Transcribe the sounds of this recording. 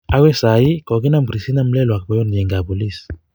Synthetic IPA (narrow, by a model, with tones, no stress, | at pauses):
a˦wɛ˦sa˨i˦ko˨ki˦na˦mbɾi˨si˦na˦mlɛ˦lwa˨k̚bɔ˨jɔ˦njɛ˨ŋɡa˨bu˨lis